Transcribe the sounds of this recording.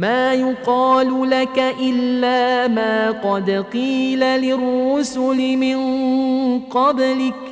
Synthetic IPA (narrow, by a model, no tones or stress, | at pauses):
maːjʊqɑːlʊlakaʔɪlːaːmaːqɑd̪qiːlalɪrːʊsʊlɪmɪn | qɑblɪk